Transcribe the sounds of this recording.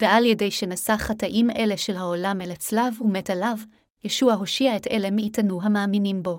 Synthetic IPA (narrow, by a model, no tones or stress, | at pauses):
veʔaljedejʃe̞nasaχataʔime̞leʃelɦaolamelat͡slavumetalav | jeʃuaɦo̞ʃiaetele̞miitanuɦamaːminimbo̞